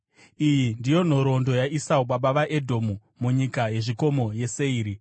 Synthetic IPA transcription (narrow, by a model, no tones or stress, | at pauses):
ijindijo̞n̤o̞ɾo̞ndo̞jaisauɓaɓaʋaʔe̞dʱo̞mu | muɲikaje̞ʐiko̞mo̞je̞se̞iːɾi